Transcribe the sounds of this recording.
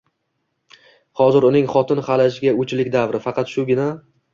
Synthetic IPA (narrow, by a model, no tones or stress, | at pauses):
hɒzɪɾʊnɪŋχɒt̪ʰɪnχalaʃ̬ɪɡʲaʊt͡ʃʰlɪkʲd̪avɾɪfɑqʰɑt̪ʃʊɡʲɪna